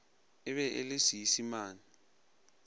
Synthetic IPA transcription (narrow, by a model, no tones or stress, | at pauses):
ɪβɛʔḛlesijisimaːni